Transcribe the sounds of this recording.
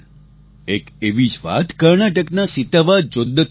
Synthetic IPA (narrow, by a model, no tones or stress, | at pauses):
ekeʋid͡ʒʋa̰t̪kəɾɳaʈəknasit̪aʋad͡ʒod̪ːə